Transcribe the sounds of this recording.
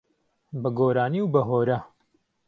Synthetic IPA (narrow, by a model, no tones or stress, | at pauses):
bɐɡoːɾaːniwbɐɦoːɾɐ